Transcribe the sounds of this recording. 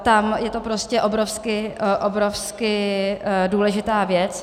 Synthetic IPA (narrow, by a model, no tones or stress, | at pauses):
t̪amjɛt̪o̞pɾoscɛʔobɾofskɪʔobɾofskɪ | duːlɛʒɪt̪aːvjɛt͡s